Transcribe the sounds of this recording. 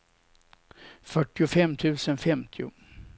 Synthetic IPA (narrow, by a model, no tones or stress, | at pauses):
fœʈːɪʊfɛmːt̪ʰʉ̟ːsənfɛmt̪ʰɪʊ̰